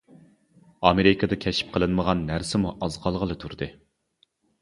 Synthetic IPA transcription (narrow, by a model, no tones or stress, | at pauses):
ɑmeɾɪkʰɑd̪ɑkʲʰɛʃi̥p̚qʰəlˠɨnməʁɑnːæɾsɪmuʔɑzqɑlˠʁəlˠɨt̪ʰuɾd̪ɨ